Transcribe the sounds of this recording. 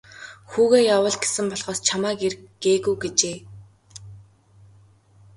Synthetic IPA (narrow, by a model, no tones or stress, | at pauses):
xuːɣeːjawə̆ːɮɡe̥sɘ̆mpɔɮχɔːst͡ɕʰamaːkerɡ̥eːɣujɡet͡ɕeː